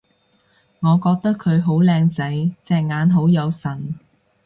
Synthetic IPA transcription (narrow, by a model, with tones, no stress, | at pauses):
ŋɔː˨˧kɔː˧k̚t̪ɐ˥kʰɵ˨˧ɥɦo˨˥wlɛː˧ŋt͡sɐ˨˥jt͡sɛː˧k̚ŋaː˨˧nɦo˨˥wjɐ˨˧wsɐ˨˩n